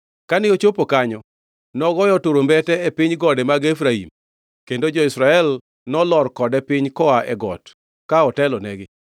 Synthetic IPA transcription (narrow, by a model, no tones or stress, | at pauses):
kanɪot͡ʃopokaɲɔ | nɔɡɔjɔtoɾombɛtɛɛpɪɲɡɔdɛmaɡefɾaḭm | kendod͡ʒɔisɾaɛl | nɔlɔrkɔdɛpɪɲkɔaʔɛɡɔ̰t | kaɔtɛlɔnɛɡɪ